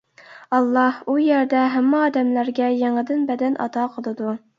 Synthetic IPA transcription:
ɑlˠːɑhujæɾd̪ɛɦæmːɪɑːd̪ɛmlæɾɡʲɛjeŋɨd̪ɨnbɛd̪ɛnʔɑ̰t̪ʰɑqʰəlˠɨd̪u

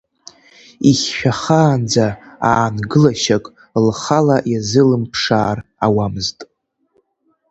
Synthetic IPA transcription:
iχʲːᶣaχaːnd͡zaaːnɡɨlaʃakʼ | lχalajazɨlɨmpʰʂaːrawamɨztʼ

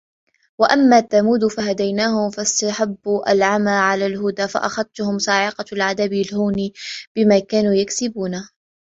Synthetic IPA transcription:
waʔamːaːt̪ːamuːd̪faɦad̪ajnaːhʊmfast̪aħabːuːʔalʕamaːʕalaːlɦʊd̪aːfa̰ʔaxad̪̚ˤt̪ʊhʊmsɑːʕɪqɑlʕad̪ablhuːnib̥ɪmaːkaːnuːjaksɪbuːna

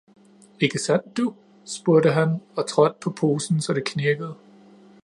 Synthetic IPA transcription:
e̝ɡ̥əsæn̰d̥ːu | sb̥uɐɾəɦænɒ̽t͡sʰʁɒ̽d̥̚pʰɒ̽pʰo̝ːsn̩sɒ̽ɾ̥ekʰneɐɡ̥əð̞̩ˠ

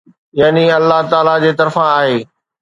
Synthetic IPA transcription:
jaːniɐlːaɦt̪aːlad͡ʑeːt̪ɐɾfãaːɦeː

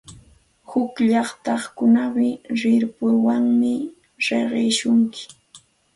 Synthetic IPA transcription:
hʊkʎɑχt̪ɑχkʊnawɪɾɪɾpʊɾwaŋmɪ | ɾeɢeːʃʊŋkɪ̥

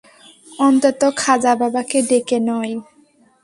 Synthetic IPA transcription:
ɔnt̪ot̪okʰad͡ʑababaked̪ekenɔj

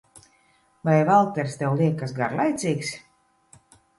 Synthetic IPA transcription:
vajvalˠt̪ɛɾst̪ɛwlˠʲiɛkːasɡaɾlˠajt̪sʲiːks

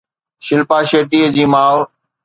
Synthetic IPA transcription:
ʃɪlpaːʃeːʈiːəd͡ʑiːmaːʋ

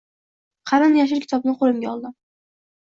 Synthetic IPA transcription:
qʰɑɾanjaʃ̬ɪɾkʲɪ̥t̪ʰɒb̚nɪŋqʰolˠɪmɡʲaɒlˠd̪ɪm

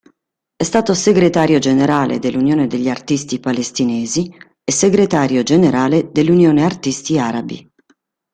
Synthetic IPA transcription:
ɛst̪aːt̪oseɡɾet̪aːɾjod͡ʒeneɾaːlḛd̪elːunjoːned̪eʎːiart̪ist̪ipalest̪inɛːzi | ɛseɡɾet̪aːɾjod͡ʒeneɾaːled̪elːunjoːneart̪ist̪iaːɾabḭ

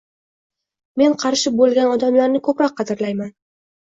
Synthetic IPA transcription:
me̞nqʰɑɾʃɪbolˠɡʲanɒd̪amlaɾnɪkʰɵpɾɒq̚ʰːɑd̪ɪɾlajman

